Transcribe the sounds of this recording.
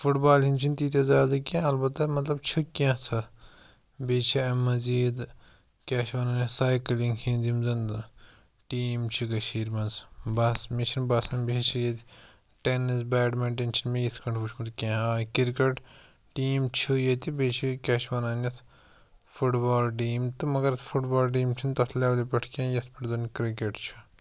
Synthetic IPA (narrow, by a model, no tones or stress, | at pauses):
fuʈbaːlhint͡ʃʰint̪it̪ʲɐzaːd̪ɐkʲãɐlbɐt̪ːɐmɐt̪lɐbt͡ʃʰukʲãːt͡sʰɐ | beːt͡ʃʰiɐmːɐziːd̪ | kʲaːʃʋaːnaːnʲɐt̪saːjklĩŋɡhinzimzɐnd̪ | ʈiːmt͡ʃʰiɡɐʃiːɾmɐnzbɐsmit͡ʃʰinbaːsɐnbit͡ʃʰijet̪i | ʈenːizbaːɖmɐʈent͡ʃʰinmejit̪ʰkɐɳʈʰuʃʰmut̪kʲẽːɦaːkʲiɾkeʈ | ʈiːmt͡ʃʰujɐt̪ibet͡ʃʰikʲaːʃʰʋɐːnaːnʲjɐt̪ʰ | fuʈbaːlʈ̬iːmt̪ɨmɐɡɐɾɐt̪ʰfʰuʈbaːlʈ̬iːmt͡ʃʰint̪ɐt̪ʰlʲaːʋlipɐʈʰkʲẽːjɐt̪ʰpʲiʈzɐnkɾikeʈt͡ʃʰi